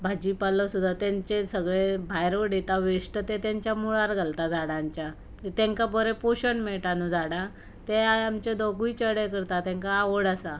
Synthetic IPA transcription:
bʱad͡ʑipalɔsud̪ʱːat̪aɲt͡ɕesəɡɭebʱajɾəɽit̪aʋeʂʈət̪et̪aɲt͡ɕjamuɭaɾɡʱəlt̪ad͡zʱaɽaɲt͡ɕja | it̪ẽŋkapəɾɛpoɕəɳmeɭʈanud͡zʱaɽa | t̪eajamt͡ɕed̪oɡuit͡ɕəɽekəɾt̪at̪ɛ̃ŋkaːʋəɽasa

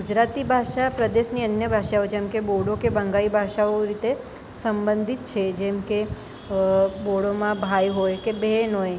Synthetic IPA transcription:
ɡʊd͡ʒɾat̪ibʱaʃapɾəd̪eʃniənjəbʱaʃaod͡ʒɛ̃mkeboɽokebə̃ŋɡaibʱaʃaoɾit̪e | səmbənd̪ʱit̪t͡ʃʰed͡ʒɛmke | boɽomãbʱajɦojkebenoe

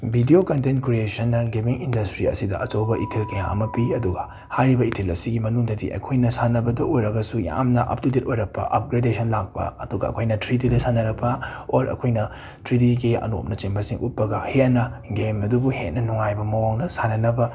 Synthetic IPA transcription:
bʱidiokɐntenkɾiesɐnːɐɡibiŋindɐstɾiɐ̰sidɐ̰ɐt͡ʃowbɐʔitʰelkɐja̰ŋɐ̰mɐpiɐduɡɐ | hajɾibɐitʰelɐsiɡimɐnuŋdɐdḭʔɐ̰kʰojnɐsanɐbɐdɐʔojɾɐɡɐsuja̰mnɐʔɐ̰p̚titetojɾɐk̚pːɐ̰ʔɐp̚ɡɾedesʰɐnlak̚pɐ̰ɐduɡɐ̰ɐ̰kʰojnɐtɾitidɐsʰanɐɾɐk̚pɐoɾɐ̰kʰojnɐ | tɾit̬iɡiɐ̰no̰p̚nɐt͡ʃiŋbɐsiŋʔut̚pːɐɡɐhenɐɡemɐdubuhet̚nɐnuŋajbɐmɐwaŋnɐsanɐnɐbɐ

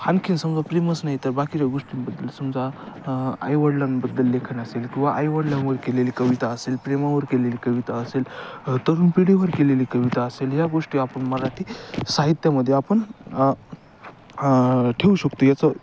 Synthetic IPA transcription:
hʰankʰinsəmd͡zapɾeməsnaɦit̪əɾbakiɾaɡoʂʈinbəd̪ːəlsəmd͡za | a̰jʋəɽlanbəd̪ːəlːekʰənəselkʲĩw̃ʋaʔajʋəɽlanʋəɾkelelikəʋit̪aəselpɾemaʋəɾkelelikəʋit̪aəselt̪əɾuːnpeɽiʋəɾkelelikəʋit̪aəselɦjaɡoʂʈiapəɳməɾaʈʰisaɦit̪jaməd̪ʱːjeapəɳ | ʈʰeuɕəkt̪ojat͡sə

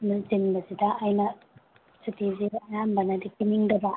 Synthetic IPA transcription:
nɐzinbɐzidɐʔːjnɐ | sitiziɐjanbɐnɐdikiniŋdɐbɐ

